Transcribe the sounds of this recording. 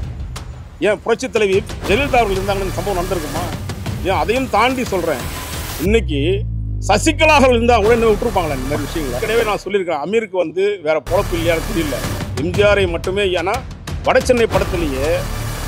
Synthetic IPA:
jẽːpʊɾɐt͡ʃːɯt̪ːɐlɐɪʋid͡ʒɛlɪlt̪aːʋɐɾɣɐɭɪɾɯnaːɡɐnɯndɐsɐmbɐʋɐ̃nɐnɐnd̪ɪɾɯkːɯmːaːjẽːɐðɐjɯmt̪aːɳɖisɔlrḛ̃ːɪnːɪk̬ʲːisɐsɪkːɐlaːɣɐɭɪɾɯnd̪aːŋɡɐkuːɽɐɪnːɐmeːʊʈːɯɾɯp̬ːaːŋɡɐɭaːɪnd̪ɐmad̪ɾɪʋɪʂɐjɐŋɡɐɭːɐkɐɽɐjʋeːnãːsɔlːɪɾɯkːɾẽːɐmiːɾɯkːɯʋɐnd̪ɯʋeːɾɐpɔlɐpːɯɪlːɐjaːnɯt̪ɛɾɪjɪlːɐ̰ɛmd͡ʒɪjaːɾɐɪmɐʈːɯmeːjeːnaː | ʋɐɽɐt͡ʃːɛnːɐɪpːɐɽɐt̪ːɐlɐjeː

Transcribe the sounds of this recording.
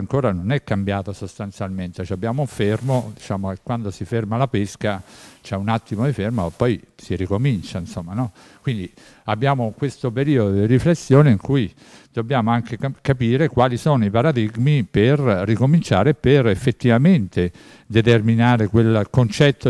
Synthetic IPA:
aŋkoːɾanonɛkːambjaːt̪osost̪ant̪sjalment̪et͡ʃɛabːjaːmouɱfermod̪it͡ʃaːmok̟ekwand̪osifermalapeskat͡ʃɛunat̪ːimod̪ifermopːɔjsiɾikomint͡ʃainsomːanɔ | kwind̪i | abːjaːmokwest̪opeɾiːod̪od̪iɾiflesːjoːneiŋkuj | d̪̥objaːmoaŋk̟ekkapiːɾekwaːlisoːnoipaɾad̪iɡmiperːikomint͡ʃaːɾeperefːet̪ːivament̪e | d̪et̪erminaːɾekwelkont͡ʃɛt̪ːo

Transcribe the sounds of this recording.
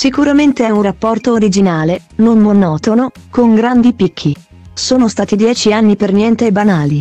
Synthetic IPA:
sikuɾament̪eɛunrapːɔrt̪oːɾid͡ʒinaːle | nonmonɔːt̪ono | koŋɡɾand̪ipikʰːi | soːnost̪aːt̪id̪jɛːt͡ʃianːipernjɛnt̪eːbːanaːli

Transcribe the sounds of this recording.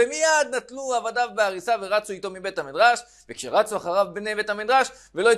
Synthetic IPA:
emijad̪natluavadavbeaʁisaveʁat͡suit̪o̞mibe̞t̪hamidʁaʃ | vekʃeʁat͡suaχaʁavbnebe̞thamid̪ʁaʃ | veloi

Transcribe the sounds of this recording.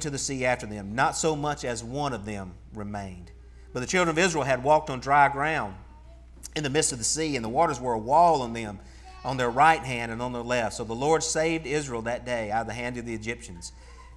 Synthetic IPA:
ntɨðɨsiæftə˞ðɨ̃mnətsoʊmʌt͡ʃɨzwʌ̃ñʌvðɨ̃m | ɹɨmẽɪ̃n | b̥ʌt̪̚ðɨt͡ʃʰɪlˠdɹə̃nʌvɪzɹil̩ˠɨd̚wɔk̚tn̩dɹaɪɡɹãʊ̃nd | ɨ̃nðɨmɪstʌvðəsiɨ̃nðəwɔɾə˞zwə˞əwɔlˠə̃nðɨ̃m | ʔə̃nðə˞ɹaɪt̚ɦæ̃ndɨ̃nə̃nðə˞lɛftsoʊðəlɔɹd̥seɪvdɪzɹil̩ˠðɨt̚d̥eɪaʊɾʌvðɨɦæ̃ndʌvðiɨd͡ʒɪpʃɨ̃nz̥

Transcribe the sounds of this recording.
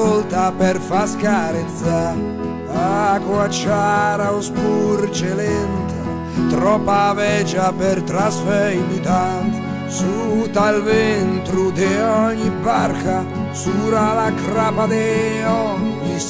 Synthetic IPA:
olt̪aperfaskaɾɛt̪sa | akwat͡ʃːaɾaospurt͡ʃelɛnt̪ʰa | t̪ɾɔpːavɛd͡ʒapert̪ɾasfɛid̪ut̪a | sut̪alvɛnt̪ɾud̪eɔɲːibarka | suɾalakɾaːpad̪ɛɔɲːi

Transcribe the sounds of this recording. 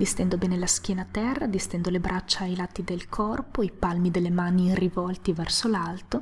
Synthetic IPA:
vest̪ɛnd̪obɛːnelaskʲjɛːnat̪ɛrːad̪ist̪ɛnd̪olebɾʔat͡ʃːaːjlat̪ːid̪elkʰɔrpoipalmid̪elːemaːnirivɔlt̪ivɛrsolalt̪o

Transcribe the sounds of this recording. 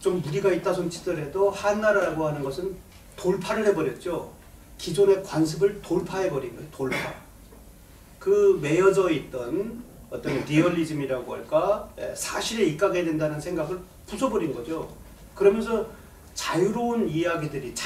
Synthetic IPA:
t͡ɕomːuɾiɡait̚t͈asʰont͡ɕʰi̥tɯɾedohanːaɾaɾaɡohanɯnɡʌsʰɯn | toɭpʰaɾɯɭhe̞bʌɾjʌt̚t͡ɕ͈o | kid͡ʑone̞kwansʰɯbɯɭtoɭpʰaɦe̞bʌɾinɡʌotoɭpʰa̰ | kɯme̞jʌd͡ʑʌit̚t͈ʌn | ʌt͈ʌnɾiʌʎːid͡ʑɯmiɾaɡoɦa̰ɭk͈aḛsʰaɕʰiɾeik͈aɡedwe̞ndanɯnsʰe̞ŋɡaɡɯɭ | pusʰʌbʌɾinɡʌd͡ʑo | kɯɾʌmjʌns̬ʰʌ | t͡ɕajuɾounijaɡidɯɾit͡ɕ

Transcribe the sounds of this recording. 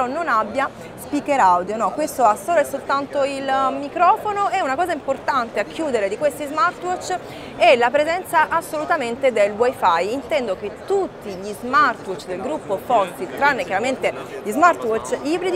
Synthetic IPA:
ɔnːonabːja | spikeɾawd̪jonɔkwest̪oasoɾɛsːolt̪ant̪oilmikɾɔːfonoɛunakɔːzaimport̪ant̪eakʰːjuːd̪eɾed̪ikwest̪izmart̪wɔt͡ʃː | ɛlapɾezɛnt̪saʔasːolut̪ament̪ed̪elwajfajint̪ɛnd̪ok̟et̪ːut̪ːiʎizmart̪wɔt͡ʃd̪elɡɾupːofɔsilt̪ɾanːekjaɾament̪eʎizmart̪wɔt͡ʃibɾid̪i

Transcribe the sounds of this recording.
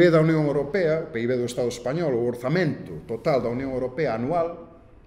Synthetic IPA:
eðɐunjõŋewɾopɛɐʊpejβeðʊest̪aðʊespaɲɔlʊoɾθamẽnt̪ʊt̪ot̪ald̪ɐunjõŋewɾopɛɐːnual

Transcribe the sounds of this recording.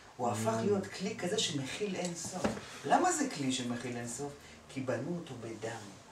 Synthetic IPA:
uafaχlijo̞tklikaze̞ʃemeχilenso̞flamazekliʃemeχilenso̞f | kʰibanuoto̞bedam

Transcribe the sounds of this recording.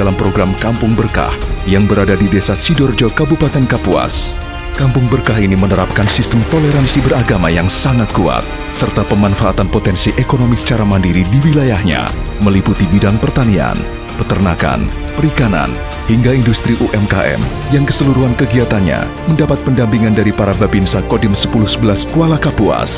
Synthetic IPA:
dalampɾoɡɾamkampʊŋbərka̰hjaŋbəɾadadidesasidɔrd͡ʒɔkəbupat̪ɛnkapua̰s | kampʊŋbərkaɦinimənəɾap̚kansist̪əmt̪oleɾansibəraɡamajaŋsaŋat̪̚kua̰t̪̚ | sərt̪apəmanfaːt̪anpot̪ɛnsiʔekonomisə̥t͡ʃaɾamandiɾidiwilajahɲa̰ | məliput̪ibidaŋpərt̪ania̰n | pət̪ərnaka̰n | pəɾikana̰n | hiŋɡaindust̪ɾiʔuʔɛmka̰ʔɛ̰m | jaŋkəsəluɾuɦankəɡiat̪anɲa̰ | məndapat̪̚pəndampiŋandaɾipaɾabapinsakodɪmsəpuluhsəbəlaskualakapua̰s

